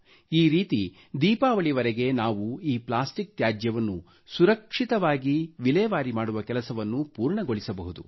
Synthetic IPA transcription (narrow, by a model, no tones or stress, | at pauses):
iːɾiːt̪i | d̪iːpaːʋɐɭiʋɐɾeɡe̞naːʋuiːplaːsʈik̚t̪jaːd͡ʒjɐʋɐnːu | suɾɐkʂit̪ɐʋaːɡiʋilɛːʋaːɾimaːɽuʋɐkɛlɐsɐʋɐnːupuːɾɳɐɡo̞ɭisɐbɐɦud̪u